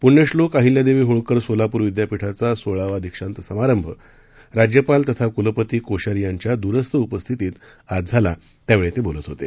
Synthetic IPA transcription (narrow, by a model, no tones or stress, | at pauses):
puɳːəɕlokaɦiljad̪eʋiːɦoɭkəɾsolapuːɾʋid̪japiʈʰat͡sasoɭaʋad̪ʱikʂant̪əsəmaɾəmbʱə | ɾad͡ʑjəpalt̪ət̪ʰakuləpət̪iːkoɕaɾijaɲt͡ɕjad̪uɾəst̪əupəst̪ʰit̪iːt̪ | ad͡zʱala | t̪jaʋeɭet̪ebolət̪ɦot̪e